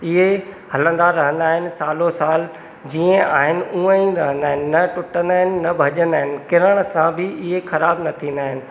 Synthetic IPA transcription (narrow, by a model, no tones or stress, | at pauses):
ɪɦehɐlə̃nd̪aɾɐɦə̃nd̪aːɦɪnɪ̆saːlosaːl | d͡ʑiːə̃aːɦɪnɪ̆ũə̃ĩːnd̪ɐɦə̃nd̪aːɦɪnɪnɐʈʊʈə̃nd̪aːɦɪnɪ̆nɐbʱɐʄə̃nd̪aːɦɪnɪ̆kɪɾəɽ̃sãbʱɪɪɦexɐɾaːbnɐt̪ʰĩːnd̪aːɦɪnɪ̆